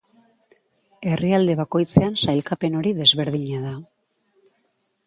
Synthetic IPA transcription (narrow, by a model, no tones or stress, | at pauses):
e̞riald̪e̞β̞ako̞jt͡se̞ansajlkape̞no̞ɾiðe̞zβe̞ɾð̞iɲaða